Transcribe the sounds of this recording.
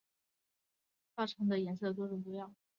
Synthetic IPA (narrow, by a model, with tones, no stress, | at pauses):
t̪a˥˩ʈ͡ʂʰɑ˧˥ŋd̪ə˧jɛ˧˥ns̬ɤ˥˩ə˩t̪̬wɔ˥ʈ͡ʂʊ˨˩ŋpu˧˥jɑ˥˩ŋ